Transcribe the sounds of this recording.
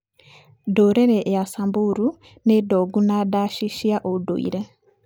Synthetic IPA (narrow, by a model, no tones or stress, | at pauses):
doɾeɾeʔejasambuɾu | nedoɡunadaːʃiʃjaʔoudo̰ḭɾe